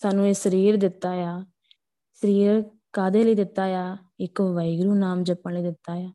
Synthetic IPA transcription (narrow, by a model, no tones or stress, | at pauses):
saːnũːeːsəɾiːɾd̪ɪt̪ːaːjaː | səɾiːɾ | kaːd̪eːləiːd̪ɪt̪ːaːjaː | ɪkːʋəɪɡɾuːnaːmd͡ʒɐpːə̃ɳləiːd̪ɪt̪ːaːjaː